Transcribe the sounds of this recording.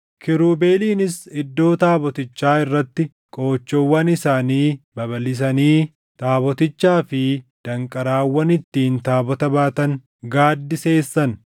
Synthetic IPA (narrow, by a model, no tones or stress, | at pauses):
kʰɪɾuːbe̞ːliːnɪsɪd̪ːo̞ːt̪aːbɔt̪ɪt͡ʃːaːɪrːɐt̪ːɪ | kʼo̞ːt͡ʃːɔwːɐnɪsaːniːbɐβɐlɪs̬ɐniː | t̪aːbɔt̪ɪt͡ʃːaːfɪd̪̥ɐŋkʼɐɾaːwːɐnɪt̪ːiːnt̪aːbɔt̪ɐbaːt̪ɐŋ | ɡaːd̪ːɪse̞ːsːɐn